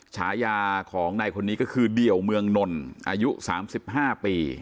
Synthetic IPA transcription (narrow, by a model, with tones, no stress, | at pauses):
t͡ɕʰaː˩˦jaː˧kʰɔː˩˦ŋna˧jkʰo˧nːiː˦˥kɔː˥˩kʰɯː˧di˨˩əwmɯ˧əŋno˧nʔaː˧ju˦˥ʔsaː˩˦msi˨˩p̚ɦaː˥˩piː˧